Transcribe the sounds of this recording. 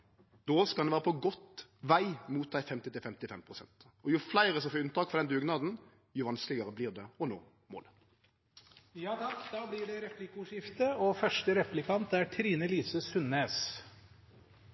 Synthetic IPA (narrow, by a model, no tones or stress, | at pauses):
d̪oːskɑd̪ʋæːʁəpʰɔɡɔt̪ːʋæɪmuːt̪̚d̪æɪfɛmt̪ɪt̪ɪlfɛmt̪ɪfɛmpʰʁʊsɛnt̪ | ɔjʊflæɪɾəsɔfɔːʉnt̪ɑːkfɔɾd̪ɛnd̪ʉːɡnɑːd̪n̩ | jʊʋɑnsklɪɡəʁəbliːʁd̪ɛɔno̰ː | mo̰ːl | jɑːt̪ɑkd̪ɑːblɪɖɛɾɛplɪkʊʂɪft̪əɔfœʂʈəɾɛplɪkʰɑnt̪æʈʰɾiːnəliːsəsʉnːeːs